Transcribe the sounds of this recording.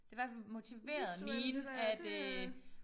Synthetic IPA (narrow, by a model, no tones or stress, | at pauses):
d̥e̝ʋæɐfælmo̝t͡sʰiʋe̝̰ːɐð̩ˠmiːnæd̥ø